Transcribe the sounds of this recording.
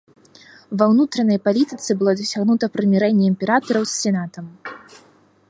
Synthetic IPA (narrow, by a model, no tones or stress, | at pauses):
vɐwnut̪ɾɐnɐjpalʲit̪ɨt̪sɨbɨlˠɔd̪ɐsʲaɣnut̪ɐpɾɨmʲɛɾɛnʲːɛimʲpʲɛɾat̪ɐɾɐwsːʲɛnat̪ɐm